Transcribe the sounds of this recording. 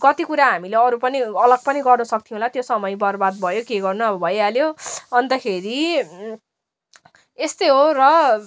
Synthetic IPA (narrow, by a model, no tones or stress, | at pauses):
kʌt̪ikuɾaɦamileʌɾupʌniʌlʌɡ̚pʌniɡʌrnʌsʌk̚t̪ʰiũlat̪josʌmʌjbʌrbad̪̚bʱʌjokeɡʌrnuʌbʌbʱʌjaljoʌnt̪ʌkʰeɾi | est̪ojɦorʌ